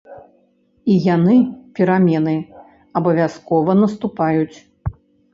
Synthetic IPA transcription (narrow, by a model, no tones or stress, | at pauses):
ijanɨpʲɛɾamʲɛnɨ | ɐbɐvʲaskɔvɐnɐst̪upajut͡sʲ